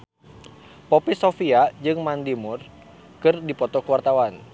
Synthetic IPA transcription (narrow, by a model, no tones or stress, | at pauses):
pɔpisofiad͡ʒɨŋmandimur | kɨrdipɔt̪ɔkəwart̪awan